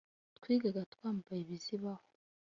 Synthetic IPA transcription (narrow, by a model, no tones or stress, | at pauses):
tkwiːɡaɡatkwaːmubajiβiziβaho